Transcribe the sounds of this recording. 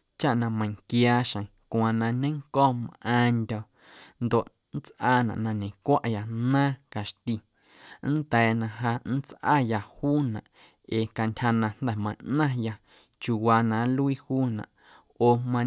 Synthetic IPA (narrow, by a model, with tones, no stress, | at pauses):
t͡ʃa˦ʔnã˧mə̃˧˨ŋkjaː˧ʃə̃˨kʷwã˨nã˧ɲẽ˦ŋkɔː˦˨mʔãː˧nd̪ʲɔ˧˨ | nd̪o˨ʔ | n̩˦t͡sʔaː˦nã̰˨ʔnã˧ɲẽ˨kʷa˦ʔja˧nãː˦ka˨ʃt̪i˧ | n̩˦d̪ɛː˨nã˧ɦa˧n̩˦t͡sʔa̰ː˦ja˧huː˦nã̰˨ʔ | eː˨ka˧ntʲha˧nã˧n̥d̪ɛ˨mə̃˧˨ʔnã˦ja˧ | t͡ʃu˨waː˧nã˨˦lu˦i˦huː˦nã̰˨ʔ | oː˨mã˧